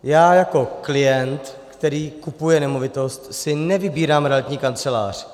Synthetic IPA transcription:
jaːjako̞klɪjɛnt̪ | kt̪ɛɾiːkupujɛnɛmo̞vɪt̪o̞st̪sɪnɛvɪbiːɾaːmɾɛalt̪ɲiːkant͡sɛla̰ːr̝̥

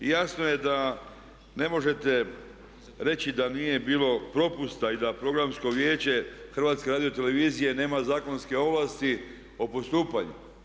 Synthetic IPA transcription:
jaːsno̞je̞d̪a | ne̞mo̞ʒe̞t̪e̞ | ɾe̞t͡ɕid̪anije̞biːlo̞pɾo̞pust̪aid̪apɾo̞ɡɾamsko̞ʋje̞ːt͡ɕe̞xr̩ʋaːt̪ske̞ɾaːd̪io̞t̪e̞le̞ʋiːzije̞ne̞ːmazaːkonske̞o̞ʋlaːst̪i | o̞po̞st̪uːpaɲṵ

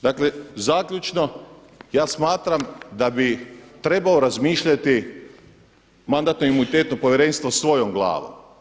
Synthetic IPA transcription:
d̪akle̞zaːkʎʲut͡ʃno̞ | jaːsmaːt̪ɾamd̪abit̪ɾe̞baoɾazmiːʃʎat̪i | mand̪at̪noimunit̪eːt̪no̞po̞ʋjeɾe̞nst̪ʋosʋo̞jomɡlˠa̰ːʋo̰m

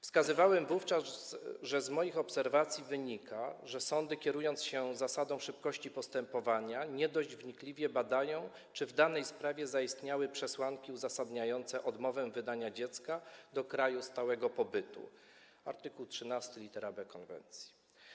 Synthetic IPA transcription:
fskazɘvawɛmvuft͡ʂazʐɛzmɔjixɔpsɛɾvat̪sʲjivɘɲikʰaʐɛsɔnd̪ɘkʲɛɾujɔnt̪sɕɛzasad̪ɔ̃w̃ʂɘp̚kɔɕt͡ɕipɔst̪ɛmpɔvaɲaɲɛd̪ɔʑd͡ʑvɲiklʲivʲjɛbad̪ajɔ̃w̃ | t͡ʂɘvd̪anɛjspɾavʲjɛzaist̪ɲawɘpʂɛswaŋkʲiuzasad̪ɲajɔnt̪sɛʔɔd̪mɔvɛmvɘd̪aɲad͡ʑɛt̪skad̪ɔkɾajust̪awɛɡɔpɔbɘt̪ṵ | a̰ɾt̪ɘkuwtʂɘnast̪ɘlʲit̪ɛɾabɛkɔnvɛ̰nt̪sʲji̥

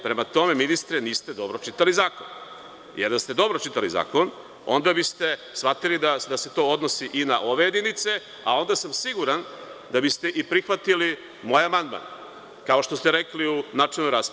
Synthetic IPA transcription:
pɾe̞mat̪o̞me̞minist̪ɾeniːst̪ed̪o̞bɾot͡ʃit̪alizaːkon | jeɾd̪ast̪e̞d̪o̞bɾot͡ʃit̪aliza̰ːko̞n | o̞̰nd̪abist̪e̞sʋat̪ilid̪ad̪ase̞t̪o̞od̪nosiʔinaʔo̞ʋeje̞d̪init̪se̞ | a̰o̞nd̪asamsiɡuɾand̪abist̪e̞ʔipɾixʋat̪ili | mo̞ːjamand̪ma̰n | kao̞ʃt̪o̞st̪eɾekliunat͡ʃilnːoɾaːsp

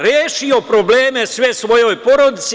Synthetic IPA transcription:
ɾjeːʃio̞pɾobleːmesʋesʋo̞jo̞jpo̞ɾod̪it̪s

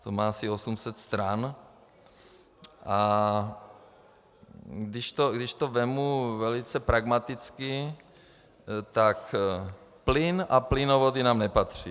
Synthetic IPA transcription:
t̪omaːasiosumsɛt̪st̪ɾan | ʔa | ɡdɪʃt̪oɡdɪʃt̪ovɛmuvɛlɪt͡sɛpɾaɡmat̪ɪt͡skɪ | t̪ak | plɪnaplɪnovod̪inaːmnɛpat̪r̝̥i

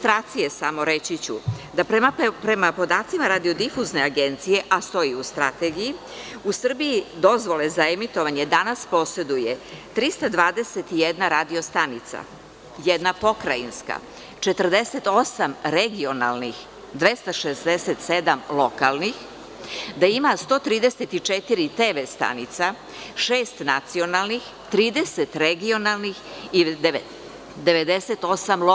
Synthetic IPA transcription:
t̪ɾaːt̪sije̞samo̞ɾet͡ɕit͡ɕud̪apɾemapɾemapo̞d̪aːt̪simaɾad̪io̞d̪ifuzne̞aɡe̞nt̪sije̞ʔast̪o̞jiust̪ɾat̪eɡiji | usr̩bijid̪o̞zʋo̞lezaemit̪o̞ʋaɲe̞d̪anaspo̞se̞d̪uje̞t̪ɾist̪ad̪ʋaːd̪eset̪ijed̪naɾad̪io̞st̪anit̪sa̰ | jed̪napo̞kɾainska̰ | t͡ʃet̪rd̪e̞set̪o̞samɾeɡio̞nalnix | d̪ʋest̪aʃezd̪eset̪sed̪amlˠo̞kalˠnix | d̪aimast̪o̞t̪ɾiːd̪eset̪it͡ʂet̪iɾit̪eːʋest̪a̰nit̪sa | ʃeːst̪nat̪sio̞nalˠnix | t̪ɾiːd̪eset̪ɾeɡio̞nalˠnix | id̪ | d̪eʋe̞d̪eset̪o̞samlo

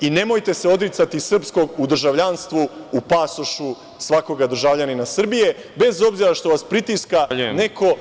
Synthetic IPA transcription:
ine̞mo̞jt̪e̞se̞o̞d̪ɾit̪sat̪isr̩psko̞ɡud̪r̩ʒaʋʎanst̪ʋuːpasoʃu | sʋako̞ɡad̪r̩ʒaʋʎaninasr̩bije̞ | be̞zo̞bziɾaʃt̪o̞ʋaspɾit̪iskane̞ko̞

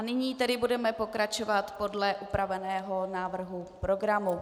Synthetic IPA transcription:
anɪɲiːt̪ɛdɪbudɛmɛpo̞kɾat͡ʃo̞vat̪po̞dlɛʔupɾavɛnɛːɦo̞naːvr̩ɦupɾo̞ɡɾamu

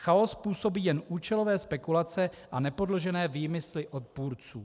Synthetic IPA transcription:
xao̞spuːso̞biːjɛnʔuːt͡ʃɛlo̞vɛːspɛkulat͡sɛ | ʔanɛpo̞dloʒɛnɛːviːmɪslɪʔo̞t̪̚puːɾt͡suː

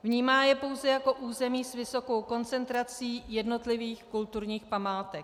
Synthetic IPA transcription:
vɲiːmaːjɛpo̞wzɛjako̞ʔuːzɛmiːsvɪso̞ko̞wko̞nt͡sɛnt̪ɾat͡siːjɛdno̞t̪lɪviːxkult̪uɾɲiːxpamaːt̪ɛk̚

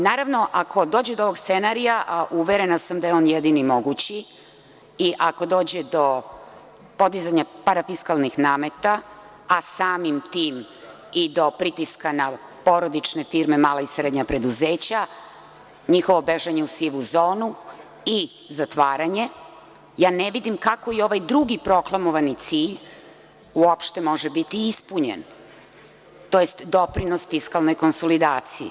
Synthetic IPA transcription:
naːɾaʋno̞ʔakʰo̞d̪o̞ːd͡ʑed̪ooʋo̞ɡst̪senaɾijaʔuʋeɾenasamd̪ajeo̞ːnjed̪inimo̞ɡut͡ɕi | iʔako̞d̪o̞ːd͡ʑed̪o̞ | po̞d̪izaɲapaɾafiskalnixnaːme̞t̪aː | saːmimt̪iːm | id̪o̞pɾit̪iskanapo̞ɾo̞d̪it͡ʃne̞fiɾme̞maːlaisɾed̪ɲapɾe̞d̪uzeːt͡ɕa | ɲixo̞ʋo̞beʒaɲeusiʋuzoːnu | i | zat̪ʋaːɾaɲe̞ | jaːneʋid̪imkako̞io̞ʋajd̪ɾuɡipɾo̞klˠamoʋanit̪siːʎ | uopʃt̪e̞mo̞ʒebit̪iispuɲḛn | t̪o̞jest̪d̪o̞pɾinosfiskalno̞jko̞nso̞lid̪aːt̪sijḭ

